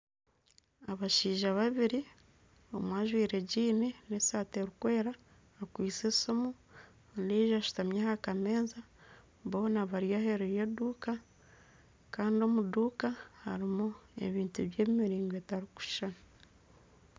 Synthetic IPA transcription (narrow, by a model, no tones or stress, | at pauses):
aβaʃiːʒaβaβiɾi | o̞̰mwaʒwiːɾe̞ɟiːninesaːteɾukwe̞ːɾaː | kwiːt͡sesomu | nliːʒaʃu̥tamjahakame̞ːza | βo̞ːnaβaɾijohe̞ɾejeːduːka | kaːndio̞muduːkaha̰ɾimue̞̰βiːntuβje̞ːβimiɾiːŋɡeːtaɾiku̥ʃi̥ʃana